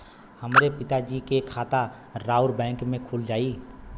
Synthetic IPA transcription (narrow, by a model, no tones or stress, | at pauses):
həmɾepɪt̪ad͡ʒikekʰaːt̪a | ɾaːʊɾbɛ̃ːŋkmẽkʰuld͡ʒaːi